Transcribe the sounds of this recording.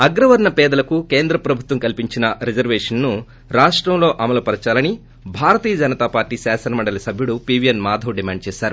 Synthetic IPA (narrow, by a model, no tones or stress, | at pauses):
ɐɡɾɐʋɐɾɳɐpɛːd̪ɐlɐkuke̞ːnd̪ɾɐpɾɐbʱut̪ʋɐmkɐlpiɲt͡ʃinɐɾed͡ʒɐɾʋeːʂɐnːu | ɾaːʂʈɾɐmlo̞ːʔɐmɐlɐpɐɾɐt͡ʃaːlɐni | bʱaːɾɐt̪iːjɐd͡ʒɐnɐt̪aːpaːɾʈiːsaːsɐnɐmɐɳɖɐlɐsɐbʱjuɽupiʋijɐnmaːd̪ʱɐʋɖimaːɳɖ̚t͡ʃɛːʃaːɾu